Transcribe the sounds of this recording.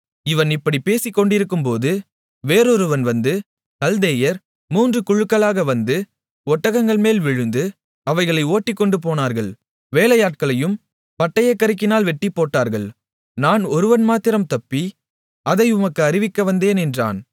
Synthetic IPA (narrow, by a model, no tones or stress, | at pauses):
ɪʋɐnɪpːɐɽipeːsɪkːɔɳɖɪɾɯkːɯmpoːðɯ | ʋeːɾɔɾɯʋɐnʋɐnd̪ɯ | kɐld̪eːjɐɾ | muːndrɯkʊɻɯkːɐɭaːɣɐʋɐnd̪ɯ | ɔʈːɐɣɐŋɡɐɭmeːlʋɪɻɯnd̪ɯ | ɐʋɐɪɣɐɭɐɪoːʈːɪkːɔɳɖɯp̬oːnaːɾɣɐɭ | ʋeːlɐjaːʈ̚kɐɭɐjɯm | pɐʈːɐjɐkːɐɾɪk̬ːɪnaːlʋɛʈːipːoːʈːaːɾɣɐɭ | naːnɔɾɯʋɐnmaːt̪ɪɾɐmt̪ɐpːi | ɐðɐɪʊmɐkːɯɐɾɪʋɪkːɐʋɐnd̪eːnɛndra̰ːn